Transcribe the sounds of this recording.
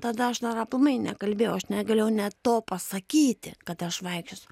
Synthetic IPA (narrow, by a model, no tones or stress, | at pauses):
t̪ɐd̪ɐɐʃd̪ɐɾɐplˠʊmɐɪnʲɛkɐlʲbʲeːjɛʊɐʃnʲɛɡɐlʲejɛʊnʲɛt̪oːpɐsɐkʲiːt̪ʲɪ̰kɐt̪ɐʃʋɐɪkʃʲʊsʲʊ